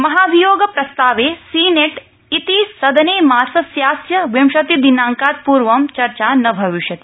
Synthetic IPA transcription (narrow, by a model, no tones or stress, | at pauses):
mɐɦaːʋijoːɡɐpɾɐst̪aːʋeːsiːneʈ | it̪isɐd̪ɐneːmaːɾsɐsjaːsjɐʋjɐmʃɐt̪id̪inaːŋkaːt̪̚puːɾʋɐmt͡ʃɐɾt͡ʃaːnɐbʱɐʋiʃjɐt̪i̥